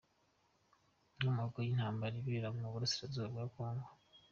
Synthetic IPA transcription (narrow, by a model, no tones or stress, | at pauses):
omuɡojinhaːmbaɾiβiɾaŋoβuɾasi̥ɾazoaβɡaːkoːŋɡwa